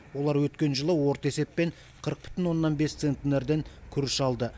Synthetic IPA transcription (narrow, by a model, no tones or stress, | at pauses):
wo̞lˠɑɾwɵt̪kʲe̞nʒəlˠəwo̞ɾt̪e̞se̞pːe̞ɴ | qʰəɾəq̚pʏ̥t̪ɪnwo̞nːɑnbe̞st̪sent̪ːneɾd̪e̞ŋkʲʰʏɾɪʃɑlˠd̪ə